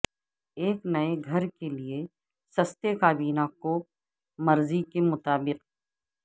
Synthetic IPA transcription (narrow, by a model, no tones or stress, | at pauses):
eːknɐeɡʱɐɾkelie | sɐst̪ekaːbiːnako | mɐɾzikemʊt̪aːbɪq